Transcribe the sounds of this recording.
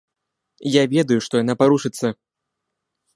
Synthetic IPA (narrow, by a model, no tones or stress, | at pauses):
javʲɛd̪ɐjuʂt̪ɔjan̪apaɾuʂɨt̪sːɐ